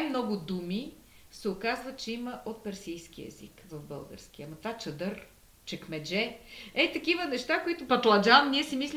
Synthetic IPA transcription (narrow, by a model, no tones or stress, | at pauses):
ajmnɔɡʊd̪umi | sɛʊkazvɐt̪̚t͡ʃɛiməʔot̪̚pɛɾsijsk̟iɛ̰zḭkvɐvbɤlˠɡə̰ɾskiɐmɐt̪at͡ʃəd̪ɤɾ | t͡ʃɛkmɛd͡ʒɛɛt̪ɐkivənɛʃt̪akoit̪ʊpɐt̪lˠɐd͡ʒavɐmniɛsimislʲi